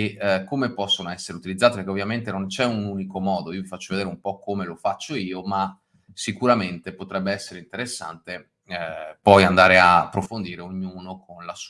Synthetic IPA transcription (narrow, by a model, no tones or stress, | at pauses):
ekːomepɔsːonoɛsːeɾeut̪ilid̪zːat̪epeɾkeovjament̪enont͡ʃɛunuːnikomɔːd̪oiːovifat͡ʃːoved̪eːɾeumpɔkːomelofat͡ʃːoiːoma | sikuɾament̪epot̪ɾɛbːeɛsːeɾeint̪eɾesːa̰nt̪e | pɔjand̪aːɾeapːɾofond̪iːɾeoɲːuːnokʰonlas